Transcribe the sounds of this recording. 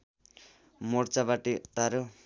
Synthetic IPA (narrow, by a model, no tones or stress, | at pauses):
mort͡sabaʈit̪aɾo